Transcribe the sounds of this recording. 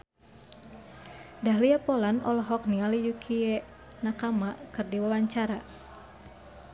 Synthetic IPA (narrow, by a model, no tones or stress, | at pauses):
daɦliapɔlanɔ̰lɔɦɔk̚nialijukʰiɛ | nakamakɨrdiwawaɲt͡ʃaɾa